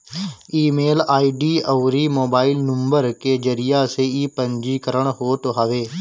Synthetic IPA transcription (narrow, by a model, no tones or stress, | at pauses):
iːmeːlaːiːɖiːəːɾiːmoːbaːilnə̃mbəɾkeːd͡ʒəɾɪjaːseːiːpəɲd͡ʒiːkəɾəɳ̃ɦoːʈ̪oɦaːʋeː